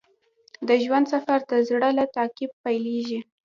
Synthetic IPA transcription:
d̪əʒwand̪safaɾt̪azɽəlat̪ɑkib̚pajleʒi

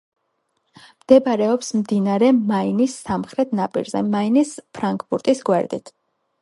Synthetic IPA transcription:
md̪̥ɛbaɾɛɔpsmd̪inaɾɛmainisːamχɾɛt̪ʰnapʼḭɾzɛ̰mainispʰɾaŋkʰʼpuɾt̪ʼisɡwɛ̰ɾd̪it̪ʰ

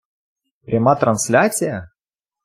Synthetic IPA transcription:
pɾʲamat̪ɾɐnslʲat͡sʲɪjə

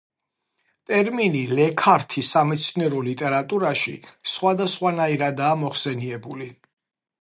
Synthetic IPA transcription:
t̪ʼɛɾminilɛkʰaɾt̪ʰisamɛt̪sʰniɛɾɔlit̪ʼɛɾat̪ʼuɾaʃḭsχwad̪asχwanaiɾad̪aːmɔχsɛniɛbuli

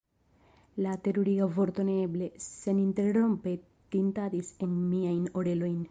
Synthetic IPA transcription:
lat̪e̞ɾuɾiovo̞ɾt̪o̞neble̞se̞nint̪e̞ɾɾo̞mpe | t̪int̪ad̪isenmiajnoɾe̞lo̞jn

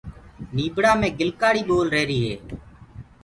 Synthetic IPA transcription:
niːɓɽaːmẽːɡɪlkaːɽiːɓoːlɾeːɾiːɦeː

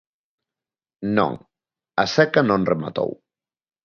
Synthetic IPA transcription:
nõ̰ŋ | asɛkanõnrema̰t̪o̰w

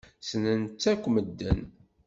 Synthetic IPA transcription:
sənənt͡sːækʷːməd̪ːən

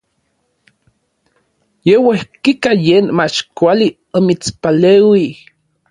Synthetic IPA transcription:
jewehkikajeːnmat͡ʃkʷali | omit͡spaleːwi

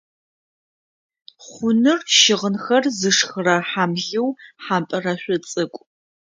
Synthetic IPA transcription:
χʷʊnɨrʃɪʁənxɐrzɨʂxɨrɐħamɮɪwħampʼɐrɐɕʷɔt͡sʼɨkʷʼ

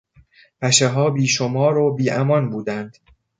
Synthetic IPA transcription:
pʰæʃeɦɒːbiːʃomɒːɾobiːʔæmɒnbuːd̪ænd̪̥

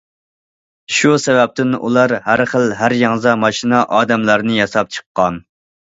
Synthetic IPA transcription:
ʃusɛvɛp̚t̪ʰɪnṵlˠɑɾhæɾχəlɦæɾjɑŋzɑmɑʃinɑʔɑːd̪ɛmlæɾnɨjɑsɑp̚t͡ʃʰə̥qːɑn

